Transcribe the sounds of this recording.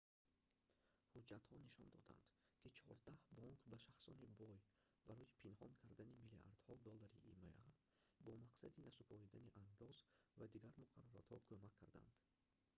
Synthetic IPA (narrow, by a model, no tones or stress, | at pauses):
hud͡ʒat̪hɔniʃɔ̰nd̪ɔ̰d̪a̰nd̪̥kʰit͡ʃʰɔɾd̪ahbɔŋkbaʃaχsɔ̰nibɔj | baɾɔjipʰinhɔnkʰaɾd̪animiliʔa̰ɾd̪̥hɔd̪ɔlːaɾiʔima̰ʔa | bɔmaqsad̪inasupʰɔɾid̪aniʔand̪ɔzvad̪iɡaɾmuqʰaɾɔɾat̪hɔkʰomakʰːaɾd̪a̰nd̪̥